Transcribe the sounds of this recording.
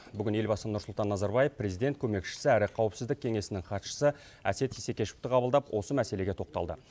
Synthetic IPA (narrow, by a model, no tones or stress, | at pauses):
bʏɡʲɪne̞lbɑsənʊɾsʊlˠt̪ɑnːɑzɑɾbɑjefpre̞zid̪e̞nt̪kʰʲɵme̞kʃɪ̥sɪæɾɪqʰɑwəpsɪzd̪ɪkʲʰe̞ŋe̞sɪnɪŋχɑt̪ʃə̥sə | æ̰se̞t̪ise̞kʲe̞ʃu̥ft̪əqʰɑbəlˠd̪ɑpwʔo̞səmæse̞le̞ɡʲe̞t̪ʰo̞q̚t̪ɑ̰lˠd̪ə̰